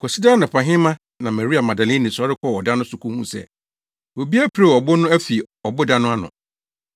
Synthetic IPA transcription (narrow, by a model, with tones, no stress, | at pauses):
kʰɔ˨si˦daː˦nã˨pʰã˨ɦɪ̃˦mã˦ | nã˨mɛ˨ɾi˦a˨mã˨da˨lɪ̃˦nĩ˨sɔ˦ɾɪ˦kʰɔ˦˨ɔ˨dã˦nʊ̃˦sʊ˨kʰũ˦hũ˦sɛ̰˦ | o˨bi˦a˦pʰɾe˦˨ɔ˨bɔ˦nʊ̃˦æ˦fi˨ | ɔ˨bʊ˦dã˦nʊ̃˦a˦nʊ̰̃˨